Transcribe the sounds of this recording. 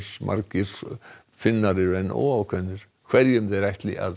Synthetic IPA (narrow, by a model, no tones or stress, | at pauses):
smʔa̰ɾkɪɾ̥ | fɪnːaɾɪɾɛnɔ̰awkʰvɛnːɪɾ̥ | kʰv̥ɛɾjʏmðeɾajht̪lɪ̰ʔa̰ð